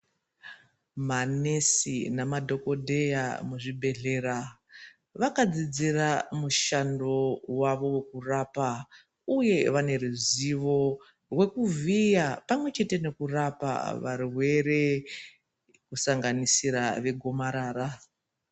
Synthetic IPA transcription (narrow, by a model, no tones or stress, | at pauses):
mane̞sinamadʱo̞ko̞dʱe̞jamuʐibʱe̞ɮe̞ːɾa | ʋakad͡zid͡ziramuʃando̞waʋo̞we̞kurapa | uje̞ʋane̞ruziʋo̞ | rwe̞kuvijapamwe̞t͡ʃe̞te̞ne̞kurapa̰ʋarwe̞ɾe̞ | kusaŋɡanisiɾaʋe̞ɡʱo̞maɾaːɾa